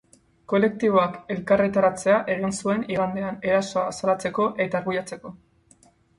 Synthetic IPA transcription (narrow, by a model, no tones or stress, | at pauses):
ko̞le̞k̚t̪iβ̞o̞ake̞lkaret̪aɾat͡se̞aʔe̞ɣ̞insue̞niɣand̪eane̞ɾaso̞asalat͡se̞ko̞ʔe̞t̪aɾɣujat͡se̞ko̞